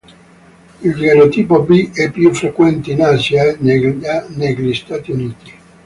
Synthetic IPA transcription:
ildeɾot̪iːpobiɛpːjufɾekwɛnt̪einaːsjananɛʎist̪aːt̪iuniːt̪i̥

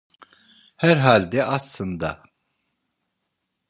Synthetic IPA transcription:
hæɾɦaːlʲd̪ɛɑslɯnd̪ɑ

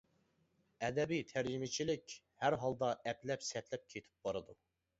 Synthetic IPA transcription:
ɛd̪ɛbijt̪ʰæɾd͡ʒimɪt͡ʃʰilɪkʲ | hæɾɦɑlˠd̪ɑʔɛplɛpsɛt̪ʰlɛp̚kʲʰet̪ʰɪ̥p̚bɑɾɨd̪u

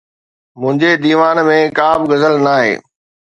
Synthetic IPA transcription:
mʊ̃ɦɪ̃ɲd͡ʑed̪iːʋaːnmẽkaːmɡɐzəlnaːɦḛː

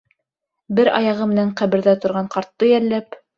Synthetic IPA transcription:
bɘɾɑ̰jɑʁɤmɘ̆næɴqæβɘ̆ɾðæt̪ŏɾʁɑɴqɑɾt̪ːɤjæɾlæp

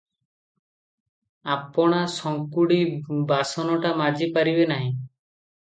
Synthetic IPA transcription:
apɔɽ̃asɔŋkuɽibasɔnɔʈamad͡ʒipaɾibenaɦĩ

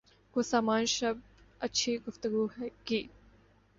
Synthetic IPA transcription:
kosaːmaːnʃɐb̚ | ɐtːʃʰiɡʊft̪əɡuɦɛkiː

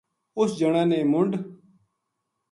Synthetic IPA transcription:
ʊsd͡ʒəɳ̃ãːneːmʊɳɖ

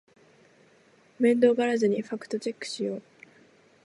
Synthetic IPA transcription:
mẽ̞nd̪o̞ɡaɾazɨɲ̟iɸakɯ̟̥t̪o̞t͡ɕe̞kːɯ̥ɕijoː

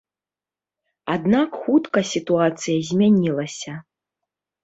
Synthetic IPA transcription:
ad̪nakxut̪kɐsʲit̪uat̪sɨjɐzʲmʲanʲilˠɐsʲɐ

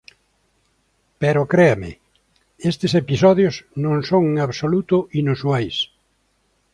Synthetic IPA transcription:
pɛɾʊkɾeamɪ̰ | est̪ɪsepisɔðjosnõŋsõŋaβsolut̪ʊʔinuswajs

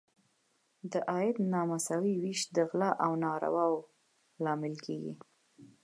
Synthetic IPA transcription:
d̪əʔɑjɪd̪nɑmasawiwiʃd̪əɣlaʔawnɑɾa̰wɑw | lɑmɪlkeɡḭ

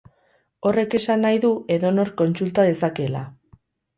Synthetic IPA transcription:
o̞re̞ke̞sanːajðue̞ðo̞no̞ɾko̞nsult̪að̞e̞sake̞la̰

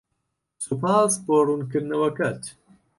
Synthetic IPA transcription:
supaːsboːrunkɨɾnɐwɐkɐt̪

